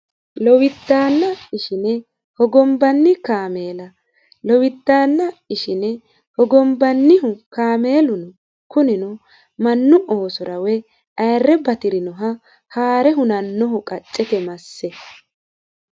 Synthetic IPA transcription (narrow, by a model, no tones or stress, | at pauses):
lɔwɪt̪ːaːnːɐɪʃɪnɛ | hɔɡɔmbɐnːɪkaːme̞ːlɐ | lɔwɪt̪ːaːnːɐɪʃɪnɛ | hɔɡɔmbɐnːɪɦʊkaːme̞ːlʊnʊ | kʊnɪnɔ | mɐnːʊʔoːsʊɾɐwɛ | ɐjrːɛbɐt̪ɪɾɪnɔɦɐ | haːɾɛɦʊnɐnːɔɦɔkʼɐt͡ʃʼːɛt̪ɛmɐsːɛ